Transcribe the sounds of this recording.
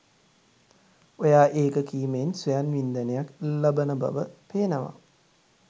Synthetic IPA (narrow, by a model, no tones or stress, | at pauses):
ojaːʔeːkəkiːmensujanʋind̪ənəjaklɐbənəbɐ̰ʋəpeːnəʋa̰